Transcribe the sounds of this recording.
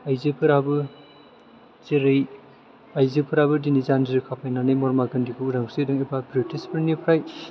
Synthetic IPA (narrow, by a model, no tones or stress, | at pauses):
ajzipʰɯɾabɯ | zeɾej | ajzipʰɯɾabɯdinizaniɾɯkʰapʰajnanɯjmɔɾmaɡɯndiɡɯuɾaŋsɯjdɯŋebabɾitispʰiɾnipʰɾaj